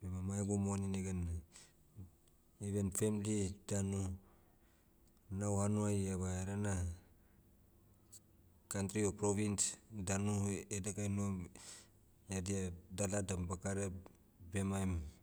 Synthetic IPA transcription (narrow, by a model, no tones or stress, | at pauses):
bemamajɡumonineɡan | iβenfemlidanu | nawhanuajaβaeɾana | kantɾiopɾoβinsdanuedekajnua | jadiadaladambakaɾe | bemajm